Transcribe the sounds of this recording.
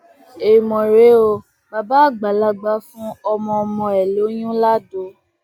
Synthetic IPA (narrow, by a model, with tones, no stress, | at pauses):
e˨mɔ̃˨ɾe˨˦o˧ | ba˧ba˦˨ɡ͡ba˨la˧˦ɡ͡ba˦fũ˦ɔ˧mɔ̃˧ɔ˧mɔ̃˧ɛ˨lo˨˦j̃ũ˦la˦do˨˦